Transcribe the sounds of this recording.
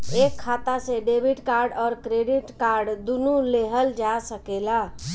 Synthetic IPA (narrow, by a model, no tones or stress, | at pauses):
ekʰːat̪asẽɖebʱiʈkaɾɖɔɾkɾeɖiʈkaɾɖd̪unuleɦəld͡ʒasəkela